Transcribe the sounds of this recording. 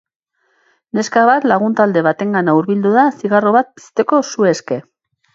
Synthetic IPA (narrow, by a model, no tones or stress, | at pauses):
ne̞skaβat̪laɣ̞unt̪ald̪e̞βat̪e̞ŋɡanauɾβild̪uðasiɣaro̞βat̪̚pi̥st̪e̞ko̞sue̞ske̞